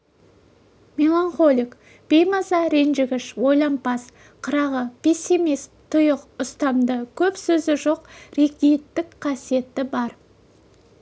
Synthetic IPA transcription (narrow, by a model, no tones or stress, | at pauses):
mʲe̞lˠaɴχo̞lʲik | b̥e̞jmɑzɑɾenʒɪɡʲɪʃwo̞jlˠɑmpɑs | qʰəɾɑʁəpʲʰesʲimist̪ʰːʊjəqʊst̪ɑmd̪əkʲʰɵpsɵzɪʒo̞qɾe̞kd̪ijt̪ːɪkqʰɑsije̞t̪ːɪbɑɾ